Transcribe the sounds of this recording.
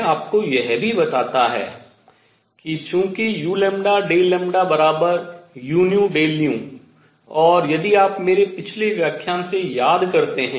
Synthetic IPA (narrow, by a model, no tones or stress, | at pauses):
aːpkojɛɦbʱibɐt̪aːt̪aɦɛ̰ː | kit͡ʃũːkijuːlɛ̃mɖaɖeːlɛ̃mɖabɐɾaːbəɾjuːnijũɖeːlijũ | ɔːɾjɐd̪iaːpmeːɾepɪt͡ʃʰleʋjaːkʰjaːsejaːd̪kɐɾt̪eɦɛ̃